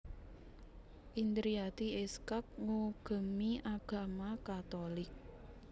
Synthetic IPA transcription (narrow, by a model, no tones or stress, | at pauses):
ʔind̪ɾiat̪iɛskak̚ŋuɡ̥ə̤miʔaɡ̥a̤makat̪olɪk̚